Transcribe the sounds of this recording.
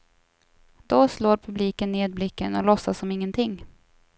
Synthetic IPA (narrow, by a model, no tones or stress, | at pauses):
d̪ɔsloːɾpʰɵbliːkənːeːd̪̚blɪkːənɔlɔsːasɔmɪŋːənt̪ʰɪŋː